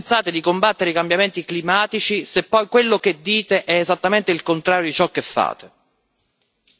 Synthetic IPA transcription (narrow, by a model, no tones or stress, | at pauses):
nt̪saːt̪ed̪ikombat̪ːeɾeikambjament̪iklimaːt̪it͡ʃisepːɔjkwelːok̟ed̪ːiːt̪eʔɛːzat̪ːament̪eilkont̪ɾaːɾjod̪it͡ʃɔkːefːa̰ːt̪e